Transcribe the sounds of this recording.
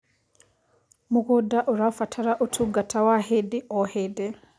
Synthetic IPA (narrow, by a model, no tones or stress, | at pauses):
muɣudaʔuɾafatʰaɾaʔutʰuɡatawahediʔɔhede